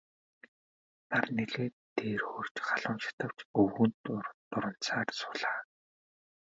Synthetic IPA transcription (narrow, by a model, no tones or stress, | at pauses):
t̪arneɮeːt̪ʰːeːrxoːr̥t͡ɕχaɮʊːnʃḁt̪ə̆w̥t͡ɕɵwɣŭnt̪ʊrt̪ʊɾə̆n̥t͡saːrsʊɮaː